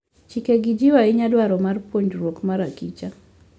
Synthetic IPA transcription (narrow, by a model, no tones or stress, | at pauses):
t͡ʃikeɡid͡ʒiwaɪɲadwaɾɔmarpwoɲd͡ʒɾwokmaɾakit͡ʃa